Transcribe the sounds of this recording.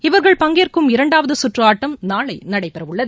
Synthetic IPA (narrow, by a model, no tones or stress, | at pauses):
ɪʋɐɾɣɐɭpɐŋɡeːrkɯmɪɾɐɳɖaːʋɐðɯsʊʈraːʈːɐmnaːɭɐɪnɐɽɐɪpɛɾɐʋɯɭːɐðɯ